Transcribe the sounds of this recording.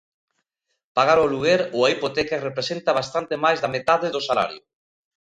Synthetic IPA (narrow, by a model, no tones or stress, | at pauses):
paɣaɾoluɣeɾoaipot̪ɛkarepɾesent̪aβ̞ast̪ant̪emajzðamet̪aðeðosala̰ɾjʊ̰